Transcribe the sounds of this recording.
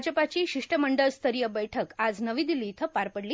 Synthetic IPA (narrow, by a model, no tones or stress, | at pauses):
d͡ʑəpat͡ɕiːɕiʂʈəməɳɖəɭst̪ʰəɾijəbəjʈʰəkad͡znəʋiːd̪ilːiːt̪ʰəpaɾpəɽliː